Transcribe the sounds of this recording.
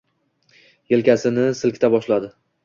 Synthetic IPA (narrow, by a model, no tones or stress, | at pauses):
jelkʲasɪnɪsɪlkʲt̪ʰabɒʃlad̪ɪ